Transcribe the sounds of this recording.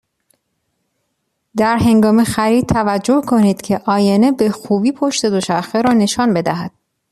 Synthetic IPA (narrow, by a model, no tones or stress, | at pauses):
d̪æɾɦe̞ŋɡɒːmexæɾiːd̪̚t̪ʰævæd͡ʒːo̞hkʰo̞niːd̪̥cʰe̞ʔɒːjenebe̞xuːbiːpʰo̞ʃt̪e̞d̪o̞ʃæxeɾɒːne̞ʃɒːnbe̞d̪æɦæd̪̥̚